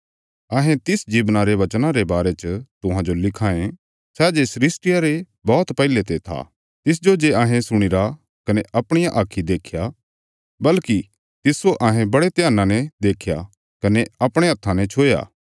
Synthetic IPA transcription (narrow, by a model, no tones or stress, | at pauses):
ɐːɦẽt̪ɪsd͡ʒiːbnaɾeʋɐt͡ʃnãɾebaːɾet͡ʃət̪ʊɦãd͡ʒolɪkʰaːẽ | sɛd͡ʒesɾɪsʈɪjaɾe | bɔːt̪pɐɪlet̪et̪ʰa̰ | t̪ɪs̬d͡ʒod͡ʒeaːɦẽsʊɽ̃iɾa | kɐneʔɐpɽ̃ɪjaʔaːkʰid̪eːkʰja | bɐlki | t̪ɪsoʔaːɦẽbɐɽet̪ɪjaːnãned̪eːkʰja̰ | kɐneɐpɽ̃eɦɐt̪ʰːãnet͡ʃʰoːja̰ː